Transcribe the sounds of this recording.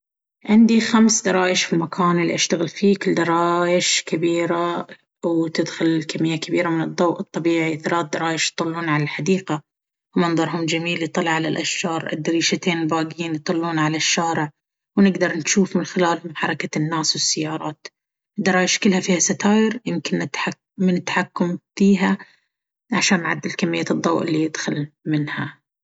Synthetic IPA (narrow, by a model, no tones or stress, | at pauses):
ʕɪnd̪ixamsd̪ɑɾˤɑːʔɪʃfimakʰaːnɪlːiʔaʃt̪aɣɪlfiːkʊld̪ɑɾˤɑːʔɪʃkabiːɾa | wt̪ɪd̪xʊlkamːɪjːakabiːɾamɪnɨd̪ˤːowʔɨt̪ˤːɑbiːʕiθalaːt̪̚d̪ɑɾˤɑːʔɪʃjt̪ˤʊlːuːnʕalalħad̪iːqa | wmɑnðˤɑɾˤɦʊmd͡ʒamiːljt̪ˤɑlʕalalʔaʃʒɑːɾˤʔɪ̰d̪ɾiːʃat̪eːnbaːɡiːnjt̪ˤɨlːuːnʕalaʃːaːɾɪʕ | wnɪɡd̪ɑɾˤnʃuːfmɪnxɪlaːlmħɑɾˤɑkanːaːswɪsːɪjːɑːɾˤɑːt̪ | d̪ɑɾˤɑːjɪʃkɪlːhafiːhasat̪aːjɪɾjɪmkɪnːɪt̪ħa | mɪnɪt̪ːaħakːʊmfiːɦa | ʕaʃaːnːʕa̰d̪ːɪlkamːɪjːaɨd̪ˤːɑwʔɪlːijɪd̪xʊlmɪnha